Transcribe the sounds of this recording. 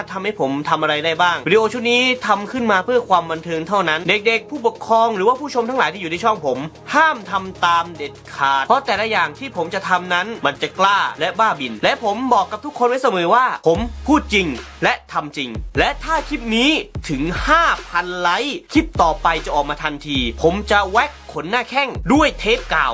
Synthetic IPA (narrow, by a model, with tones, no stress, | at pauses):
t̪ʰa˧mha˥˩jpʰo˩˦mt̪ʰa˧mʔa˧ɾa˧jda˥˩jbaː˥˩ŋi˧di˧ʔoː˧t͡ɕʰu˥˩k̚niː˦˥t̪ʰa˧mkʰɯ˥˩nmaː˧pʰɯ˥˩ɐkʰwaː˧mba˧nt̪ʰɤː˧ŋt̪ʰa˥˩wna˦˥nde˨˩k̚de˨˩k̚pʰuː˥˩po˨˩kʰɾɔː˧ŋɾɯː˩˦waː˥˩pʰuː˥˩t͡ɕʰo˧mt̪ʰa˦ŋlaː˨˦jt̪i˥˩˨uː˨naː˧˥˩t͡ɕʰɔ˥˩ŋpʰo˩˦m | haː˥˩mt̪ʰa˧mt̪aː˧mde˨˩t̪̚kʰaː˨˩t̪̚ʰɔ˦˥t̪ɛː˨˩lɛ˦˥jaː˨˩ŋt̪ʰiː˥˩pʰo˩˦mt͡ɕa˨˩t̪ʰa˧mna˦˥nma˧nt͡ɕa˨˩klaː˥˩lɛ˦˥baː˥˩bi˧nlɛ˦˥pʰo˩˦mbɔː˨˩kːa˨˩p̚t̪u˦˥kʰːo˧nma˥˩jsa˧mɤː˨˩˦waː˥˩pʰo˩˦mpʰuː˥˩t̪̚t͡ɕi˧ŋ | lɛ˦˥t̪ʰa˧mt͡ɕi˧ŋlɛ˦˥t̪ʰaː˥˩kʰi˦˥p̚niː˦˥t̪ʰɯ˩˦ŋhaː˥˩pʰa˧nla˦˥jkʰi˦˥p̚t̪ɔː˨˩pa˧jt͡ɕa˨˩ʔɔː˨˩k̚maː˧t̪ʰa˧nt̪ʰiː˧pʰo˩˦mt͡ɕa˨˩wɛ˦˥kʰːo˩˦nːaː˥˩kʰɛ˥˩ŋdu˥˩əjt̪ʰeː˦˥p̚kaː˨˩w